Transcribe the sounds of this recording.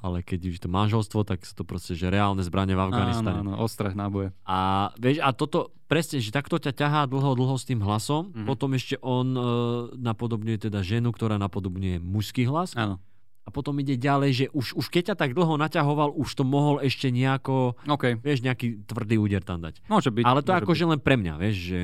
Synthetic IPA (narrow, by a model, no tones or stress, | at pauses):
a̰lɛkɛɟuɛt̪ɔmanʒɛlst̪ʋɔt̪aksḁt̪ɔpɾɔscɛʒɛɾɛaːlnɛzbɾʔaɲɛvavɡanist̪aɲɛnɔʔɔst̪ɾaɣnabɔjɛaʋɪɛʃat̪ɔt̪ɔ | pɾɛsɲɛʒɛt̪akt̪ɔcacaɦaːd̪l̩ˠɦɔd̪l̩ˠɦɔst̪iːmɦlasɔmpɔt̪ɔmɛʃcɛʔɔnnapɔd̪ɔbɲujɛt̪ɛd̪aʒɛnukt̪ɔɾaːnapɔd̪ɔbɲujɛmuʃskiːɦlasanɔ | apɔt̪ɔmiɟɛɟalɛjʒɛʔuʃuʃkɛc̚cat̪aɡ̚d̪l̩ˠɦɔnacaɦɔʋaluʃt̪ɔmɔɦɔlɛʃcɛɲɛakɔɔkɛjʋɪɛʃɲɛakiːt̪ʋr̩d̪iːuːɟɛɾt̪amd̪a̰cmɔʒɛbialɛt̪ɔɛakɔʒɛlɛnpɾɛmɲa̰ʋɪɛʃʒɛ